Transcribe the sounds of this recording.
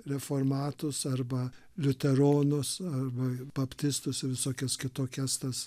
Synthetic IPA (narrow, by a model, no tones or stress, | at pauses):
ɾʲɛfoːrmɑːt̪ʊsɐrbɐ | lʲʊt̪ʲɛɾoːnʊsɐrbɐb̥ɐpʲt̪ʲɪst̪ʊsɪʋʲɪsoːkʲɛskʲɪt̪oːkʲɛst̪ɐs